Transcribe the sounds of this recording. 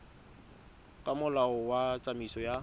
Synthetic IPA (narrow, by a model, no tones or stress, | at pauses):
kʼamʊlaɔwat͡sʼamisɔja